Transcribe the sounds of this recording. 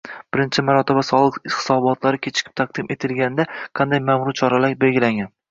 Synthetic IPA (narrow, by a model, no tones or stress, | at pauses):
b̥ɪɾɪnt͡ʃʰɪmaɾɒt̪ʰɪbasɒlˠɨq̪hɪ̥sɒbɒt̪ʰlaɾɪkʲʰet͡ʃʰɪ̥kʲʰɪ̥p̚t̪ʰaq̚d̪ɪmʔe̞t̪ʰɪlɡʲanɪd̪aqʰɑnd̪ajmamɾʊt͡ʃʰɒɾalakʲbelɡʲɪlaŋɡʲan